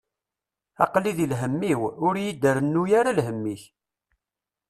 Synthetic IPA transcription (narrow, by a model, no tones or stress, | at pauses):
ɑ̰qliðilɦəmːiwʊɾjid̪əɾənːujaɾalɦəmːiç